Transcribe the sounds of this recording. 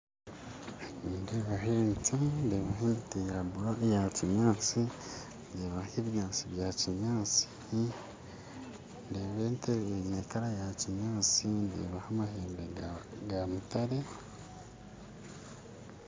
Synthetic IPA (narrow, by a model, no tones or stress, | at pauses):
ndeβaɦent͡sandeβaɦentejabuajaciɲaːt͡si | ndeβahiβjaːnsiβjaːciɲaːt͡si̥h | ndeβenteenekaɾajaciɲaːt͡sindḛβahamaheːmbeɡamutaɾe